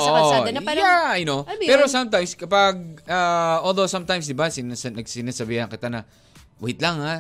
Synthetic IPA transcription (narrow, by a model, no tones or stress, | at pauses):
ʔoʔajaɐjnopɛːɾosamt̪ãjmskɐpaɡ̚aʔold̪owsãmt̪ãjmsd̪ɪbasɪnasɐnɐɡsɪnasɐbiːhɐnkɪt̪anɐ | wʊhɪt̪lɐŋa